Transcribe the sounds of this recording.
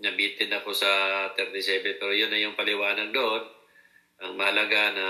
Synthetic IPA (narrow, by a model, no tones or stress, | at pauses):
nɐbiːt̪ɪnɐko̞sɐt̪ɛɾt̪ɪsɛbɛpɛːɾojʊnːɐjʊŋpɐlɪwaːnɐɡ̚d̪oʔo̞n | ʔɐŋmɐhɐlɐɡanɐ